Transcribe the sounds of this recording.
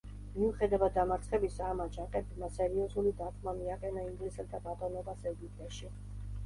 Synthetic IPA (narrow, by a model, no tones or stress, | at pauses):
miuχɛd̪avad̪̚ːamaɾt̪sʰχɛbisamad͡ʒaqʼɛbmasɛɾiɔzulid̪ak̪ʰmamiaqʼɛnaiŋɡlisɛt̪ʰabat̪ʼɔnɔbasɛɡipʼt̪ʼɛʃi